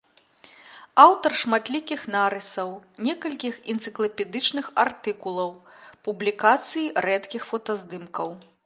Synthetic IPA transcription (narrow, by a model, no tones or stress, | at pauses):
awt̪ɐrʂmat̪lʲikʲixnaɾɨsɐwnʲɛkɐlʲkʲixint̪sɨklˠɐpʲɛd̪ɨt͡ʂnɨxart̪ɨkulˠɐw | publʲikat̪sɨjirɛt̪kʲixfɔt̪ɐzd̪ɨmkɐw